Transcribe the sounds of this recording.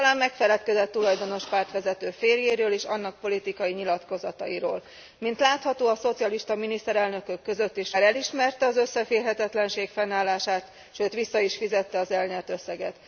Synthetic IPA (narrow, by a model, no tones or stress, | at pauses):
t̪ɒlaːmːɛkfɛlɛt̪kɛzɛt̪ːulɒjd̪o̞no̞ʃpaːrt̪ʋɛzɛt̪øːfeːrjeːɾøːleːʃɒnːɒk̚po̞lit̪ikɒjiɲilɒt̪ko̞zɒt̪ɒ̰iɾo̰ːl | mint̪laːt̪hɒt̪oːɒso̞t̪sijɒliʃt̪ɒminist̪ɛɾɛlnø̞køkːø̞zø̞t̪ːeːʃaːɾɛliʃmɛrt̪ɛɒzøsːɛfeːrɦɛt̪ɛt̪lɛnʃeːkfɛnːaːlːaːʃaːt̪ | ʃøːt̪ʋisːɒiʃfizɛt̪ːɛɒzɛlɲɛrt̪øsːɛɡɛt̪